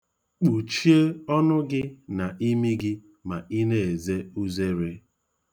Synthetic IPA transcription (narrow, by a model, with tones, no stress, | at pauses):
k͡pu˨t͡ʃi˦e˦ɔ˦nʊ˦ɡɪ˦na˨ʔi˦mi˦ɡɪ˦ | ma˨ʔi˦ne˨e˨ze˦u˦ze˦ɾe˦